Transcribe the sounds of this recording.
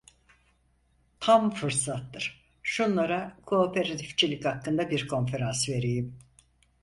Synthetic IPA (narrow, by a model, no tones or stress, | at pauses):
t̪ʰamfɯɾsat̪ːɯɾ̥ | ʃunlˠaɾakʰoːpʰeɾat̪ʰift͡ʃʰilʲichakːɯnd̪abiɾkʰo̞nfe̞ɾansve̞ɾejim